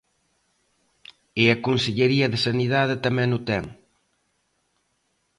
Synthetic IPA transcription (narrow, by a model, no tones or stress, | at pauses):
ɪɐkonseʎeɾiɐðɪsɐniðaðɪt̪ɐmɛ̃ŋʊt̪ɛŋ